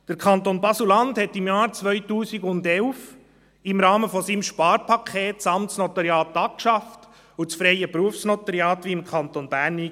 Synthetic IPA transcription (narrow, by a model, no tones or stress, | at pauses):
d̥əɾkʰɑnt̪onbɑsulɑndhɛtɪmjɑːɾt͡sʋœʏtuːsiɡʊndɛlf | ɪmɾɑːməfɔsiːmʃpɑːɾpʰɑkʰeːt̚t͡sɑmtsnɔt̪ɑɾjɑːt̪ɑp̚kʃɑft | ʊt͡sfɾɛɪəpɾuəfsnɔt̪əɾiɑːtʋiɪmkʰɑnt̪onb̥æːɾniː